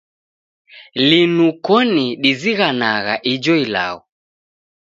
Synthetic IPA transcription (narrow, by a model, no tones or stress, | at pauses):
linukɔniɗiziɣanaɣa̰ʔid͡ʒɔila̰ɔ